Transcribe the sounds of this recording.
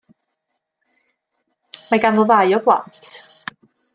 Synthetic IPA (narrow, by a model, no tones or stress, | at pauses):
maɡanvɔðajɔblˠa̰ntʰ